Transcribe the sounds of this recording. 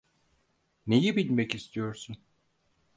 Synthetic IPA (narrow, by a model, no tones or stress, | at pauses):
nejibilʲmɛcist̪ʰijo̞ɾsun